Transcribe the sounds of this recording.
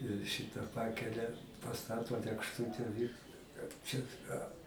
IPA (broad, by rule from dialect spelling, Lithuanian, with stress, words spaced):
ɪr ˈʃʲɪtɐ ˈpɑːkʲɛlʲɛ pɐˈstɑːtoː lʲeːkʃˈtʊtʲɛ ʋʲɪ kɐt ˈt͡ʃʲɛ ɐ